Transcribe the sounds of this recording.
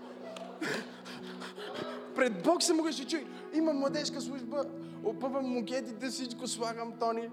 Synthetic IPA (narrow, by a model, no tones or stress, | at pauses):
pɾɛd̪̚bɔksɛmuɡəʃɛt͡ʃuj | imɐmːlˠɐd̪ɛʃkəslˠuʒbə | opəvɐmːʊɡʲɛt̪̬id̪əsit͡ʃkʊsvaɣəmt̪ɔni